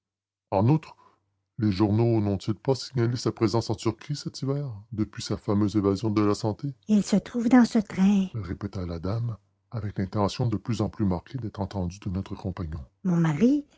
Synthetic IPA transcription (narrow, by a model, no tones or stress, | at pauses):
ɑ̃nut̪χ | leʒuʁnonɔ̃t̪ilpasiɲalesapχezɑ̃sɑ̃syʁkχisɛt̪ivɛːʁd̪əpɥisafamøzevazjɔ̃d̪əlasɑ̃t̪eilsət̪ʁuːvd̪ɑ̃sət̪ʁɛ̃ʁepet̪alad̪am | avɛklɛ̃t̪ɑ̃sjɔ̃d̪əplyzɑ̃plymaʁkʰʲed̪ɛt̪χɑ̃t̪ɑ̃d̪yd̪ənɔt̪χəkɔ̃paɲɔ̃mɔ̃maʁi